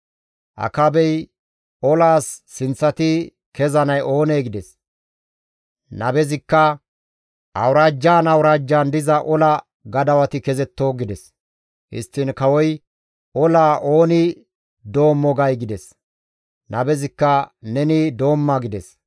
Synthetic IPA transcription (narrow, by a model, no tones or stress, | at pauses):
ʔɐ̰kɐbɛj | ɔlaːsːɪnt͡sːɐt̪ɪ | kɛzɐnɐjʔo̞ːneːɡɪd̪ɛs | nɐbɛzɪkːɐ | ʔɐwɾaːd͡ʒːaːnɐwɾaːd͡ʒːaːnd̪ɪzɐʔɔlɐ | ɡɐd̪ɐwɐt̪ɪkɛzɛt̪ːo̞ːɡɪd̪ɛs | hɪ̰st̪ːɪnkɐwɔj | ɔlaːʔo̞ːnɪ | d̪o̞ːmːɔɡɐjɡɪd̪ɛs | nɐbɛzɪkːɐnɛnɪd̪o̞ːmːaɡɪd̪ɛs